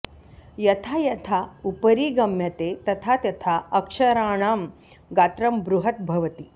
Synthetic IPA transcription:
jɐt̪ʰajɐt̪ʰaupəɾiːɡɐmjɐt̪et̪ɐt̪ʰat̪jɐt̪ʰaɐkʂɐɾaːɳ̃aːm | ɡaːt̪ɾɐmbɾuɦɐt̪̚bʱɐʋɐt̪i

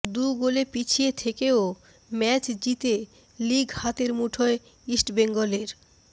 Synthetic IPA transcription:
d̪uɡolepit͡ɕʰiet̪ʰekeo | mɛt͡ɕd͡ʑit̪e | liɡhat̪eɾmuʈʰoe | isʈbeŋɡoleɾ

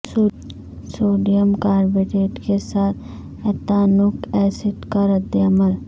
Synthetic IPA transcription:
soːɖijəmkaːɾbeʈeːʈkesaːt̪ʰ | ɛt̪aːnʊkɛːsɪʈkaɾɐd̪eɐməl

